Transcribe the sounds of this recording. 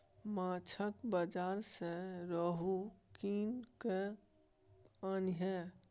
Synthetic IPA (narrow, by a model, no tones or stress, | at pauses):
mãt͡ʃʰəkbəd͡ʒaɾsẽɾəɦukinke | əniɦɛ